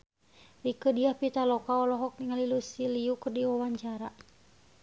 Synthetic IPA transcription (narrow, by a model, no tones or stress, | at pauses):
dikədiahpit̪alɔkaɔlɔɦɔk̚niŋalilusiliukɨrdiwɔwaɲt͡ʃaɾa